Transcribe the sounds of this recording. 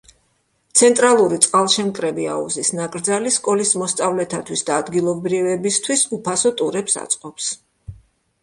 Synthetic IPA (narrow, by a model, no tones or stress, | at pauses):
t̪sʰɛnt̪ʼɾalˠuɾit̪sʼqʼalˠʃɛmkʼɾɛbia̰ṵzisnakʼɾd̪zaliskʼɔlismɔst̪sʼavlɛt̪ʰat̪ʰwisd̪aːd̪ɡilˠɔbɾivɛbist̪ʰwisupʰasɔt̪ʼuɾɛpsa̰t̪sʼqʼɔps